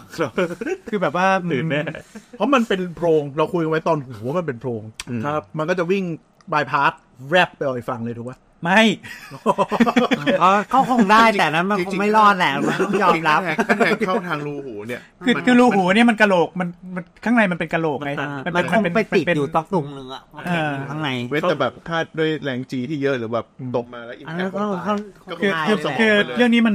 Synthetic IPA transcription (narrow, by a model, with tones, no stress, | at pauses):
kʰɯː˧bɛː˨˩p̚waː˥˩ɯː˨˩mɛ˦˥pʰɔ˦˥ma˧npe˧npʰɾoː˧ŋɾa˧wkʰu˧jʔa˧wa˦˥jt̪ɔː˧nhu˩˦wwa˦˥ma˧np̬e˧npʰɾoː˧ŋʰa˥˦p̚ma˧nkɔː˥˩t͡ɕa˨˩wi˥˩ŋ | baː˧jpʰaː˦˥t̪̚ɾɛ˦˥˩pːa˧jʔɔː˨˩jfa˧ŋlɤː˧jt̪ʰuː˨˩kwa˦˥ | ma˥˩j | ɔː˥˩kɔ˥˩kʰo˧˥˩ŋdaː˥˩jt̪ɛː˨˩na˦˥nma˧o˧ma˥˩jlɔː˥˩t̪̚lɛ˨˩˧ma˥˧˩o˥˩˥jɔː˧˩mɾa˦˥pːkʰa˥˩ɛː˧˩ŋʰa˥˩t̪ʰaː˧ŋɾuː˧huː˩˦ni˥˩ɐkʰɯ˧kʰɯː˧ɾuː˧ɦuː˩˦ni˥˩ɐma˧nka˧loː˨˩k̚ma˧nma˧nkʰaː˥˩ŋna˧jma˧npe˧nka˧loː˨˩kma˦˥jma˧nma˧nkm˧npe˧na˧jmi˨˩pe˧juː˨˩t̪ɔ˦˥k̚t̪u˨˩k̚nɯ˧˩˨ʔaː˧˩t̪ʰa˥˩ŋna˧jma˦˥ɛː˨˩bɛː˨˩p̚t̪ʰaː˥˩du˥˩əjlɛː˨˩ŋt͡ɕiː˧t̪ʰiː˥˩jə˦˥ʔlɯː˩˦bɛː˨˩p̚t̪o˨˩p̚maː˧lɛ˦˥ʔi˨a˧ɔ˥˧˩kʰa˥˩kʰɯː˧˥˧kʰɯː˧ɾɯ˥˩əŋniː˦˥ma˧n